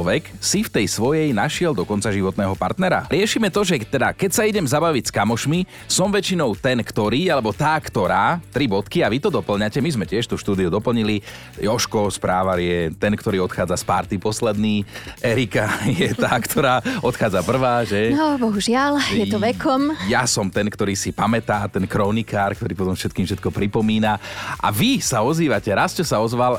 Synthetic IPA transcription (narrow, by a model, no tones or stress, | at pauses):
ʋɛksift̪ɛjsʋɔjɛjnaʃɪɛld̪ɔkɔnt͡saʒiʋɔt̪nɛːɦɔpa̰ɾt̪nɛɾa̰ɾɪɛʃiːmɛt̪ɔʒɛt̪ɛd̪a̰kɛcsaiɟɛmzabaʋicskamɔʃmi | sɔmʋɛt͡ʃinɔʊt̪ɛnkt̪ɔɾiːalɛbɔt̪aːkt̪ɔɾaːt̪ɾibɔt̪kiaʋit̪ɔd̪ɔpl̩ɲacɛmizmɛcɪɛʃt̪uʃt̪uːd̪iud̪ɔpl̩ɲili | jɔʃkɔspɾaːʋaɾɪɛt̪ɛnkt̪ɔɾiːɔt̪xaːd͡zaspaɾt̪ipɔslɛd̪niːɛɾikajɛt̪aːkt̪ʰɔɾaːɔt̪xaːd͡zapr̩ʋaːʒɛnɔbɔɦuʒɪaljɛt̪ɔʋɛkʰɔmjasɔmt̪ɛnkt̪ɔɾiːsipamɛt̪aːt̪ɛnkɾɔnikaːɾkt̪ɔɾiːpɔt̪ɔmfʃɛt̪̚kiːmfʃɛt̪kɔpɾipɔmiːnaʔa̰ʋisaɔziːʋacɛɾast͡ʃɔsaɔzʋal